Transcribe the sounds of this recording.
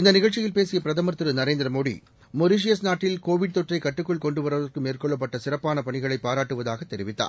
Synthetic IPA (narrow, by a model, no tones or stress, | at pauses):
ɪnd̪ɐnɪɣɐɭt͡ʃːɪjɪlpeːsɪjɐpɪɾɐðɐmɐɾt̪ɯɾɯnɐɾeːnd̪ɪɾɐmoːɽḭ | mɔɾɪʂ̬ɪjɐsnaːʈːɪlkoːʋɪɽ̚t̪ɔʈrɐɪkːɐʈːɯkːɯɭkɔɳɖɯʋɐɾɐʋɐrkɯmeːrkɔɭːɐp̬ːɐʈːɐsɪrɐpːaːnɐpɐɳɪɣɐɭɐɪpːaːɾaːʈːɯʋɐðaːɣɐt̪ːɛɾɪʋɪt̪ːa̰ː